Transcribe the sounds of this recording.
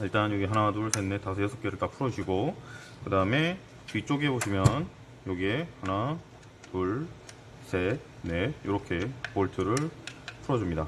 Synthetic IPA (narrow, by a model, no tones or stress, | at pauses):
iɭt͈anjoɡiɦanaduɭsʰenːetasʰɯjesʰok͈e̞ɾɯɭt͈ak̚pʰuɾʌd͡ʑɕʰiɡo | kɯdaɯme̞ | pit͡ɕ͈oɡiɦe̞boɕʰimjʌn | joɡiehana | tuɭ | sʰe | ne̞joɾʌkʰe̞poɭtʰɯɾɯɭpʰuɾʌd͡ʑumɲida